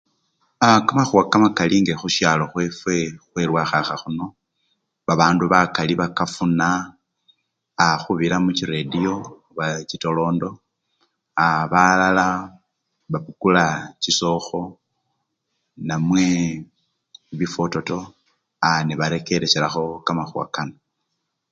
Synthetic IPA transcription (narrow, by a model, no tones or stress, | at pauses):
akamaxuwakamakaliŋɡe̞xuʃjaːlo̞xwe̞fwe̞xweɾwaxaxaxuno̞ | βaβaːnduβakaliβakafuna | xuβiɾamuciɾedio̞ | βacito̞lo̞ːndo̞ | aβalala | βapukulaciso̞xo̞ | namwe̞ | βifo̞to̞to̞ | aniβaɾe̞ke̞ɾeʃeɾaxo̞kamaxua̰kano